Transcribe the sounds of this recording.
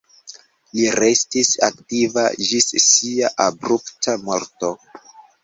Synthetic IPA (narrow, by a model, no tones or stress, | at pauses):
liɾe̞stisa̰ktiva̰d͡ʒissiaʔabɾuptʰamo̞ɾto̞